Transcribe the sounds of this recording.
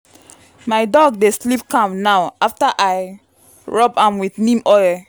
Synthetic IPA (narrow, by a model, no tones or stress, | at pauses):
majdɔɡ̚deslipkãmnaʊaftaʔaj | ɹɔbãmwiθnĩmɔj